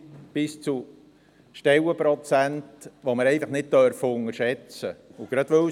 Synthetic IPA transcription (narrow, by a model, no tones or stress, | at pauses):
b̥ɪst͡su | ʃtɛwəpɾɔt͡sæntʋoməɾɛɪfəχnɪt̚t̪œɾfʊŋəɾʃɛt͡sə̰uɡ̥ɾɑd̪ʋɵ